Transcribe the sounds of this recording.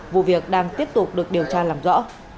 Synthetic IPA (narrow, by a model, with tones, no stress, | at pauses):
vṵ˧˨vi˨˩ək̚ɗaː˧ŋt̪i˦˥əp̚t̪ʊ˨˩k͡p̚ɗɨ˨˩ək̚ɗi˨˩əwt͡ɕaː˧laː˨˩mzɔ̰˧˥